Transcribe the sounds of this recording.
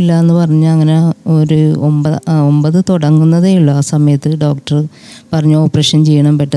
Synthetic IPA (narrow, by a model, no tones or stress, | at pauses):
ilːaenːupɐrɐɲːaɭɐŋːɐneoɾuombɐombɐðɨt̪oɽɐŋːunːɐðeːjuɭːoaːsɐmɐjɐt̪ːɨɖo̞ːk̚ʈɐr | pɐrɐɲːuoːpːreːʂɐnt͡ɕejːɐɳɐmpeʈːɐ